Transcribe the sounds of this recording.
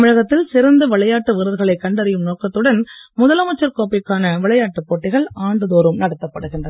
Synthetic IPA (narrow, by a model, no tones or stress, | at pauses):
mɪɻɐɣɐt̪ːɪlsɪɾɐnd̪ɯʋɐɭɐjaːʈːɯʋɪɾɯðɯɣɐɭɐɪkːɐɳɖɐɾɪjɯmnoːkːɐt̪ːɯɽɐnmʊðɐlɐmɐt͡ʃːɐɾkoːpɪkːaːnɐʋɪɭɐjaːʈːɯpːoːʈːɪɣɐɭʔaːɳɖɯðoːɾɯmnɐɽɐt̪ːɐpːɐɽɯɣɪndrɐ